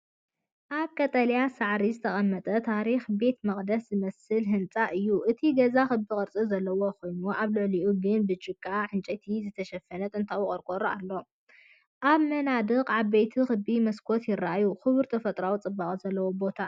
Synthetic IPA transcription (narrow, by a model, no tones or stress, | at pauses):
ʔaβkʼɐt̪ʼɐljasaʕɾizɨt̪ʰɐχʼɐmːɐt̪ʼɐt̪ʰaɾixbe̞t̪mɐχʼd̪ɐszɨmɐsɨlɦɨnt͡sʼaʔɨjːuʔɨt̪ʰiɡɐzaxɨbikʼɨɾt͡sʼɨzɐlːɐwo̞kʰo̞jnuʔaβlɨʕliʔuɡɨnbɨt͡ʃʼːɪkʼːaħɨnt͡ʃʼɐt̪ʰizɨt̪ʰɐʃɐfɐnɐt̪ʼɨnt̪ʰawʊχʼɐɾkʼoɾoalːo̞ | ʔaβmɐnad̪ɨqʼʕaβejt̪ʰixɨbimɐskʰo̞t̪jɪraʔajuxɨβɨɾt̪ʰɐfɐt̪ʼɾawt͡sʼɨbːakʼzɐlːɐwo̞bo̞t̪ʰa